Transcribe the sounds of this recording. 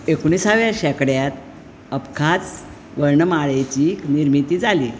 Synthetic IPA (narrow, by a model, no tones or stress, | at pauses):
ekoɽ̃iːsaʋjaɕɛkɽjat̪ | əpkʰat͡s | ʋəɾɳəmaɭet͡ɕiːkniɾmit̪iːd͡zaliː